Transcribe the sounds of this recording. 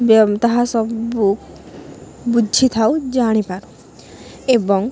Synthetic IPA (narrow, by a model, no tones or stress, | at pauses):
bt̪aɦasɔbuk | bud͡ʒʱit̪ʰawd͡ʒaɽ̃ipaɾu | ebɔŋ